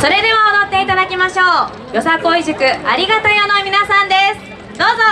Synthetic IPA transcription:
so̞ɾe̞d̪e̞βaod̪o̞t̪ːe̞it̪ad̪akʲimaɕo̞ː | jo̞sako̞iʑɨkɯ̟a̰ɾʲiɡat̪ajo̞nomʲinasãnd̪e̞sɨ̥ | d̪o̞ːzo

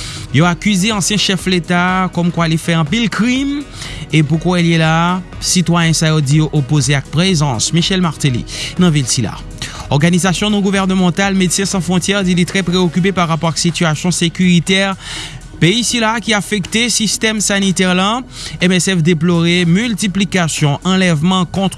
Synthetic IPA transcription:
jɔakʲyzeɑ̃sjɛ̃ʃɛflet̪akɔmkwalefɛɑ̃pilkʁimepukwãeljɛlasit̪wajɛ̃saɔd̪iʔopozeak̚pʁezɑ̃smiʃɛlmaʁt̪ilḭnɑ̃vilsila̰ | ɔʁɡanizasjɔ̃nɔ̃ɡuvɛʁnəmɑ̃t̪almed̪sɛ̃sɑ̃fʁɔ̃t̪jɛʁd̪ilit̪χɛpʁeokʲyp̬epaʁːapɔʁaksit̪yasjɔ̃sekʲyʁit̪ɛʁ | peisilakʲiafɛkt̪esist̪ɛmsanit̪ɛʁlãɛmɛsɛfd̪ep̬lɔʁemylt̪iplikasjɔ̃ʔɑ̃lɛvmɑ̃kɔ̃t̪χ

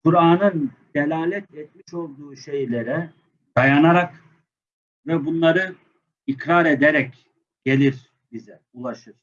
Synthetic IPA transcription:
kʰuɾaːnɯnd̪̥elʲaːlʲɛt̪ɛt̪̚miʃo̞lˠd̪uːʃe̞jlʲe̞ɾɛ | d̪̥ajanaɾak | vɛbunlˠaɾɯ | ikɾaɾed̪eɾɛc | ɟ̥e̞lʲiɾ | bizɛ | ulˠaʃɯɾ̥

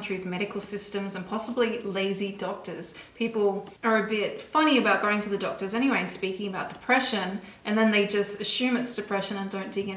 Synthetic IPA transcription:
nt͡ʃɹ̥izmɛɾɨkl̩ˠsɪstɨ̃mzə̃npʰɑsəblileɪzidɔk̚tə˞z̥pʰipl̩ˠə˞ɨbɪtfʌñiɨbaʊt̚ɡ̥oʊɪ̃ŋtʰɨðɨdɔk̚tə˞zɛñiweɪɨ̃nspikɪ̃ŋɨbaʊt̚d̥ɨpʰɹ̥ɛʃɨ̃nʔɨ̃nðɨ̃nðeɪd͡ʒʌstɨʃʉ̃mɨtsd̥ɨpʰɹ̥ɛʃɨ̃nɨ̃ndõʊ̃nd̥ɪɡɨ̃

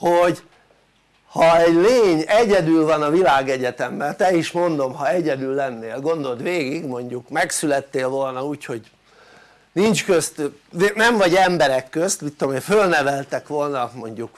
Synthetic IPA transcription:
hoɟ | hɒɛɟleːɲɛɟɛd̪ylvɒnɒvilaːɡɛɟɛt̪ɛmbɛnt̪ɛiʃmo̞nd̪o̞mhɒɛɟɛd̪ylːɛnːeːlɡo̞nd̪o̞t̪ʋeːɡiɡmo̞ɲɟukmɛksylɛt̪ːeːlvo̞lnɒuːcho̞ɟ | nint͡ʃkøst̪nɛɱvɒɟɛmbɛɾɛkːøst̪vit̪ːomeːfølnɛvɛlt̪ɛkʋo̞lnɒmo̞ɲɟuk

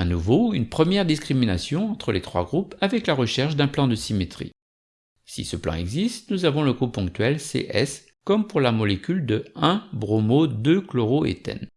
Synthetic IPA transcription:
ɛ̃nuvoynpχəmjɛʁd̪iskχiminasjɔ̃ɑ̃t̪χəlet̪χwa̰ɡʁupavɛklaʁəʃɛʁʃd̪ɛ̃plɑ̃d̪əsimet̪χḭ | sḭsəplɑ̰̃ɛ̰ɡzist̪nuzavɔ̃ləɡupɔ̃k̚t̪ɥɛlsḛʔɛ̰s | kɔmpuʁlamɔlekʲyld̪əɛ̃bʁomod̪øklɔʁoḛt̪ɛ̰n

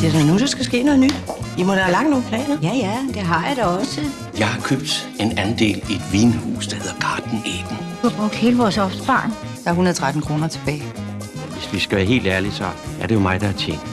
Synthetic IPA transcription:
d̥e̝snnusɒ̽sɡ̥æsɡ̥e̝̰ːnɔ̽ð̞̩ˠnyd̥jimɒd̥ɑɐlɑ̈ŋ̰̥no̝ːn̩pʰlɛ̰ːnɐjæjæd̥eɦɑ̈jɑ̈ɾ̥ɒɒ̽sə | jɑ̈ɪhɑ̈kʰøb̥̚d̥ | e̝nænd̥e̝̰ːlied̥ʋiːnhṵːsd̥ɑ̈he̝ð̞̰ˠɐɡ̥ɑ̈ːd̥n̩eːd̥n̩̥ | uhɑ̈b̥ʁɔɡ̥̚d̥he̝ːləʋɒːsɒ̽fd̥əb̥ɑ̰̈ːn | d̥ɑ̈æɐunəɐðˠt͡sʰʁad̥n̩kʰʁo̝ːnɐt͡sʰe̝b̥ɛːɪ | ʋe̝sʋisɡ̥æʋæːɐɦe̝̰ːld̥æɐlisɒ̽æɐɾe̝jo̝mɑ̈ɪd̥ɑ̈æɐt͡sʰeŋ̰̥

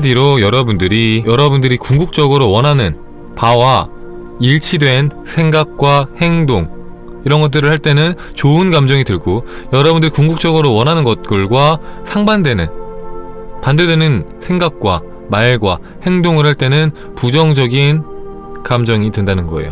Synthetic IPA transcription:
diɾojʌɾʌbundɯɾijʌɾʌbundɯɾikuŋɡuk̚t͡ɕ͈ʌɡɯɾowʌnɦanɯn | pawa | iɭt͡ɕʰidwe̞nsʰe̞ŋɡak̚k͈wahe̞ŋdoŋ | iɾʌnɡʌt̬͈̚ɯɾɯɭhaɭt͈e̞nɯn | t͡ɕoɯnɡamd͡ʑʌŋitɯɭɡo | jʌɾʌbundɯɾikuŋɡuk̚t͡ɕ͈ʌɡɯɾowʌnɦanɯnɡʌt̚k͈ɯɭɡwasʰaŋbandwe̞nɯn | pandedwe̞nɯnsʰe̞ŋɡak̚k͈wa | maɭɡwa | he̞ŋdoŋɯɭhaɭt͈e̞nɯn | pud͡ʑʌŋd͡ʑʌɡin | kamd͡ʑʌŋitendanɯnɡʌ̰ḛjo̰

